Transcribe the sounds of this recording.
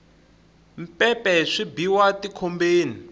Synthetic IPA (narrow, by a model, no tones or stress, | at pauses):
m̩pɛpɛʂibiwatikʰombeːni